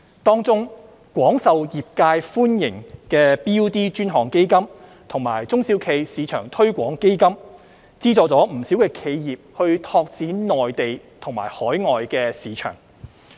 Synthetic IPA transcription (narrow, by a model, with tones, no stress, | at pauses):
t̪ɔː˥ŋt͡sʊ˥ŋ | kwɔː˨˥ŋsɐ˨wjiː˨p̚kaː˧jfuː˥njɪ˨˩ŋkɛː˧piː˥wt̪iː˥t͡ʃyː˥nɦɔː˨˩ŋke˥jkɐ˥m | t̪ʰʊ˨˩ŋma̰ː˨˩jt͡sʊ˥ŋsi˨˥wkʰe˨˧jsiː˨˧t͡ʃʰœː˨˩ŋt̪ʰɵ˥ɥkʷɔː˨˥ŋke˥jkɐ˥m | t͡siː˥t͡sɔː˨˧t͡sɔː˨˥m̩˨˩si˨˥wkɛː˧kʰe˨˧jjiː˨p̚hɵ˧ɥt̪ʰɔː˧k̚t͡siː˨˥nɔː˨jt̪e˨j | t̪ʰʊ˨˩ŋma̰ː˨˩jhɔː˨˥jŋɔː˨jkɛː˧siː˨˥t͡ʃʰœ̰ː˨˩ŋ